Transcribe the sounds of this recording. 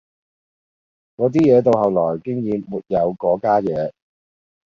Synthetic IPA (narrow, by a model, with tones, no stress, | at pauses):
kɔː˨˧˥t̪̬iː˥jɛː˨˧t̪o˨˧whɐ˨wlɔː˨˩jkɪ˥ŋjiː˨˧mmuː˨˩t̚jɐ˨˧wkɔː˨˥kaː˥jɛː˨˧˥